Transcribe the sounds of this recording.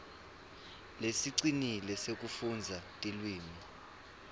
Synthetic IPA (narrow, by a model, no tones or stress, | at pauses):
lesiǀinilɛsek̬ʼufund͡zʱatʼilwiːmi